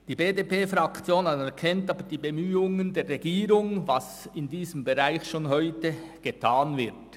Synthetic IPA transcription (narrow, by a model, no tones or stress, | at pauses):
d̥iːbeːdeːpeːfɾakt͡sjoːnaɛkʰɛntɑːbəd̥iːbemyːʊŋəndeːʁeɡiːɾʊŋvɑs | ɪndiːzəmbeʁaɪçʃoːnɦɔʏtəɡ̥etʰaːnvɪʁt